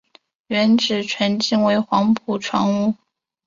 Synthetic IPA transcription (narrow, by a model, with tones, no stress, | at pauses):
ɥɛ˧˥nʈ͡ʂɻ̩˨˩ʈ͡ʂʰwə˧˥nt͡ɕi˥˩ŋwe˧˥ɪxwɑ˧˥ŋpʰu˨˩ʈ͡ʂʰwɑ˧˥ŋu˥˩